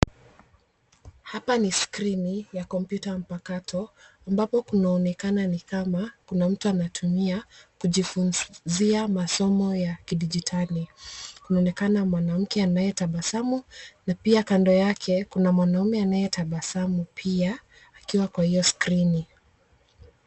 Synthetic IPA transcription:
hapaniskɾinijakɔm̩pjutam̩pakatʰɔambapɔkunaɔnɛkananikamakunam̩tuanatʰumiakuʄifunziamasɔmɔjakiɗid͡ʒitʰalikunaɔnɛkanamwanam̩kɛanajɛtaɓasamunapiakandɔjakʰɛkunamwanaumɛanajɛtaɓasamupʰiaː | kiwakwahijɔskɾini

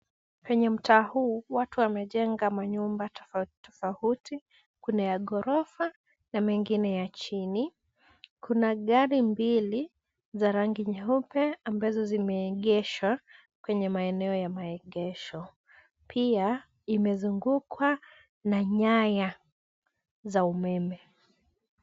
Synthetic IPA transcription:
kwɛɲɛm̩tʰaːhuːwatuwamɛʄɛŋɡamaɲumbattɔfauti | kunajaɠɔɾɔfa | namɛŋɡinɛjat͡ʃini | kʰunaɠaɾimbili | zaɾaŋɡiɲaupɛambazɔzimɛːɠɛʃwa | kwɛɲɛmaɛnɛɔjamaɛɠɛʃɔ | pʰia | imɛzuŋɡukʰwa | naɲaja | zaumɛmɛ

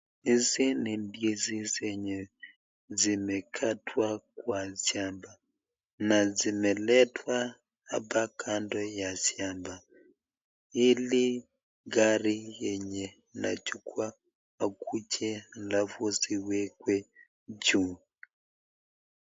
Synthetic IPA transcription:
izinimbjizisɛɲɛ | zimɛkʰatʰwakwasjamba | nazimɛlɛtwa | apakʰandɔjasjamba | ili | ɡaɾijɛɲɛ | na̰t͡ʃukwaː | kut͡ʃʰɛlavɔsiwɛkwɛ | d͡ʒu

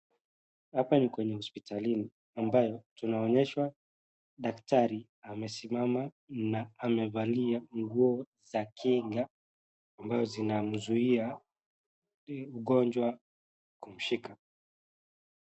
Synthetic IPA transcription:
hapanikwɛɲɛhɔspitalini | ambajɔtunaɔɲɛʃwa | ɗaktaɾi | amɛsimama | naːmɛvaliaŋɡuɔ | zakʰiŋɡaː | mbazɔzinam̩zuia | uɠɔnd͡ʒwa | kum̩ʃika

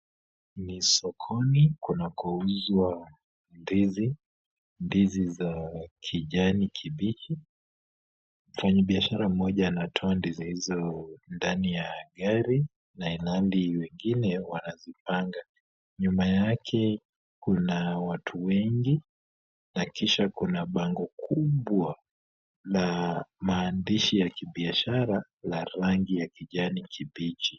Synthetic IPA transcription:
nisɔkʰɔnikunakɔuzwa | ndizi | ndizizakʰiʄanikʰiɓit͡ʃi | m̩faɲaɓiaʃaɾam̩mɔʄanatʰɔandizihizɔndanijaɠaɾi | naɛnaliwɛŋɡinɛwanazipaŋɡa | ɲumajakʰɛ | kunawatʰuwɛŋɡi | nakiʃakunaɓaŋɡɔkʰuɓwa | lamaːndiʃijakiɓiaʃaɾa | laɾaŋɡijakiʄanikʰiɓit͡ʃi

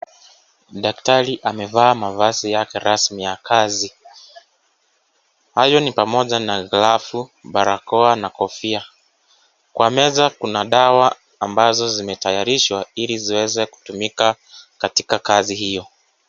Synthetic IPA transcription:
ɗaktaɾiʔamɛvaːmavasijakɛɾasmijakʰazi | hajɔnipamɔʄanaɣlafuɓaɾakɔanakɔfia | kwamɛzakunaɗawaː | mbazɔzimɛtajaɾiʃwailiziwɛzɛku̥tumika | katikakazihijɔ

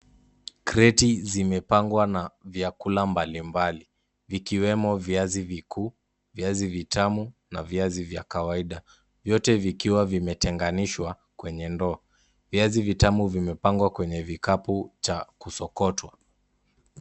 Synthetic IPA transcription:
kɾɛtizimɛpaŋɡwanavjakulambalimbali | vikiwɛmɔviazivikʰuː | viazivitʰamunaviazivjakawaiɗa | vjɔtɛvikiwavimɛtɛŋɡaniʃwa | kwɛɲɛndɔː | viazivitamuvimɛpaŋɡwakwɛɲɛvikaput͡ʃakusɔkɔtwa

